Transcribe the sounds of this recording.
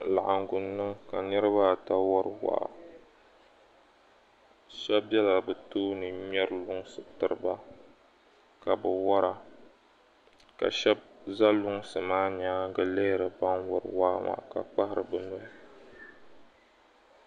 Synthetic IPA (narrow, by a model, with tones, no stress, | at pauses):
la̰˨ʔa˨ŋ˨ɡʊ˨nːɨ˦ŋka˨nɨ˦ɾɨ˦ba˦˨ta˦wɔ˦ɾɨ˦wa̰ː˦˨˦ | ʃɛ˦b̚bɛ˦la˨bɨ˨toː˦nɨ˨ɲɛ˦ɾlʊ˦ŋ˦sɨ˨tɨ˨ɾɨ˦ba˦ | ka˨bɨ˨wɔ˦ɾa˦ | ka̰˨ʃɛ˦b̚za˦lʊ˦ŋ˦sɨ˨maː˦ɲaː˦ɡɨ˨le˦ɾɨ˨ba˦nwɔ˨ɾɨ˨waː˦ma̰˨ka̰˨k͡pa˦hɪ˦˨ɾɨ˨bɨ˨nɔ˦